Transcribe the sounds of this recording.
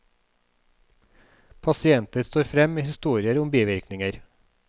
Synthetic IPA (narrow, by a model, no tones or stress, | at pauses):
pʰɑsɪɛnt̪əɾst̪oːɾfɾɛmiːhɪst̪uːɾɪəɾʊmbiːʋɪɾknɪŋəɾ